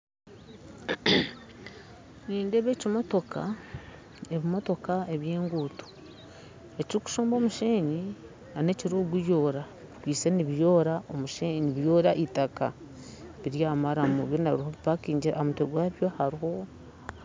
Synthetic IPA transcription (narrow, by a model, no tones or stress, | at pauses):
niːndeβe̞ːcimo̞to̞ka̰ | eβimo̞to̞kae̞βje̞ːŋɡutu̥ | e̞ciɾiku̥ʃoːmbo̞ːmuʃeːɲi | ane̞ciɾuːɡijo̞ːɾa | βikwiːseniβjo̞ːɾaʔo̞muʃeɲniβjo̞ːɾaʔitaka̰ | βiɾjaːmaɾamuβjonaɾiɾiho̞βipakiːɲɟiɾamutweɡwaːβjo̞haɾiho̞